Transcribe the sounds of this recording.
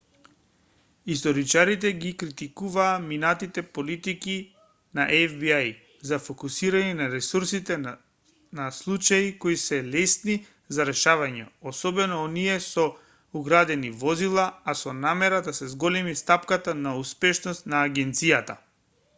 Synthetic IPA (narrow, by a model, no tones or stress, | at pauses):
ist̪ɔɾit͡ʃaɾit̪̬ɛɡikɾit̪ikuvaːminat̪it̪ɛpolit̪iki | naʔɛvbiaj | zafokusiɾanɛnaɾɛsuɾsit̪ɛ | naslˠut͡ʃaikoisɛlɛsni | zaɾɛʃavaɲɛ̰ɔsɔbɛnɔːniɛsɔ | uɡɾad̪ɛnivɔzilˠaasɔnamɛɾad̪asɛzɡɔlɛmist̪apkat̪anauspɛʃnɔst̪naːɡɛnt̪sijat̪a̰